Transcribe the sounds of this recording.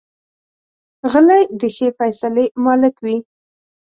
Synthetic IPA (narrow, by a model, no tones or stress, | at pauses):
ɣəlajd̪əxefajsalemɑlɪkwi